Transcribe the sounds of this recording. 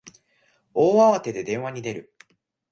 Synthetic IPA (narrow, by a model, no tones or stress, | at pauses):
oːaβat̪e̞d̪e̞d̪ẽ̞ɰ̃β̞aɲ̟id̪e̞ɾɯ̟